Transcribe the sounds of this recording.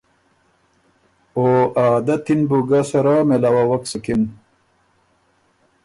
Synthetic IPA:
oːʔaːd̪ɐt̪inbuɡasɐɾaːmelawawɐksɐkin

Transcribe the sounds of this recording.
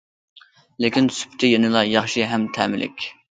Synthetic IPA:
lekʲinsy̥pʰt̪ʰɪjenɨlˠɑjɑχʃiɦɛmt̪ʰɛ̰ːmɪlɪ̰kʲ

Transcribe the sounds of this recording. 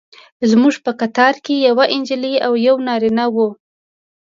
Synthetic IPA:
zmuʒpəkat̪ɑɾkejawaʔɪnd͡ʒliawjawnɑɾinawo

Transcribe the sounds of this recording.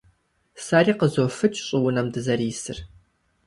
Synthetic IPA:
saːriːqəzofɨt͡ʃʰʼɕʼɪwʊnɐmdɨzɐriːsɨ̰r

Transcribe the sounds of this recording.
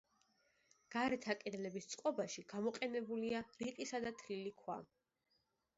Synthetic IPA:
ɡ̥aɾɛt̪ʰakʼɛd̪lɛbist̪sʼqʼɔbaʃiɡamɔqʼɛnɛbuliaɾiqʼisad̪at̪ʰlilikʰwa̰

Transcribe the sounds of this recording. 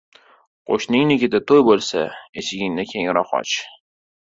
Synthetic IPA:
qʰo̰ʃnɪŋnɪkʲɪd̪at̪ʰojbolˠsa̰et͡ʃʰɪɡʲɪŋnɪkʲʰeŋɾɒχɒ̰t͡ʃ

